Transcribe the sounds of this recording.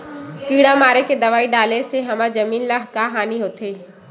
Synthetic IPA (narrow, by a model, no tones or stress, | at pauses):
kiːɽamaːɾeked̪ɐʋaːiɖaːleseɦɐmaːɾzɐmiːnlaɦkaɦaːniɦoːt̪ʰeː